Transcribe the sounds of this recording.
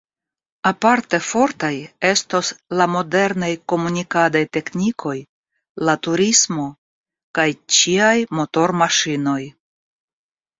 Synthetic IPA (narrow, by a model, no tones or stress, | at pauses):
apaɾte̞fo̞ɾtaje̞sto̞slamo̞de̞ɾnajko̞munikadajte̞knikʰo̞j | latuɾismo̞ | kajt͡ʃiajmo̞to̞ɾmaʃino̞j